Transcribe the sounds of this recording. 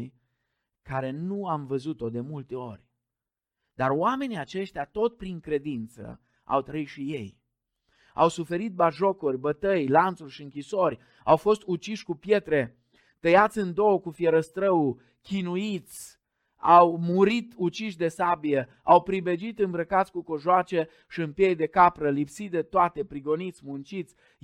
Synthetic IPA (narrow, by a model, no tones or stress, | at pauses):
j | kaɾe̞nuamvəzut̪o̞d̪e̞mult̪e̞o̞rʲ | d̪aroame̞niat͡ʃe̞ʃt̪jat̪o̞t̪pɾiŋkɾe̞d̪int̪sə̰ | a̰wt̪ɾəit̪ʃije̞j | a̰wsufe̞ɾit̪̚baʒokurʲbət̪əjlant̪surʲʃiɨŋkʲiso̞rʲ | awfo̞st̪ut͡ʃiʃʲkupje̞t̪ɾe̞ | t̪əjat̪sʲɨnd̪o̞wkufjeɾəst̪ɾəwu | kʲinuit̪sʲ | awmuɾit̪ut͡ʃiʃʲd̪e̞sabijə | awpɾibed͡ʒit̪ɨmbɾəkat̪sʲkuko̞ʒoat͡ʃe̞ | ʃiɨmpjejd̪e̞kapɾəlipsid̪et̪oat̪e̞pɾiɡo̞nit̪sʲmunt͡ʃit̪sʲ